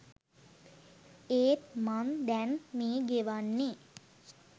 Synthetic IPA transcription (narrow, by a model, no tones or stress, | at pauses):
eːt̪mand̪ɛnmiːɡeʋanːi